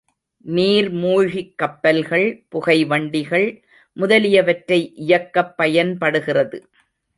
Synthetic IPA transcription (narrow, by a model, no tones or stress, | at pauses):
niːɾmuːɻɣɪkːɐpːɐlɣɐɭpʊɣɐɪʋɐɳɖɪɣɐɭ | mʊðɐlɪjɐʋɐʈɾɐɪʔɪjɐkːɐpːɐjɐnpɐɽɯɣɪrɐðɯ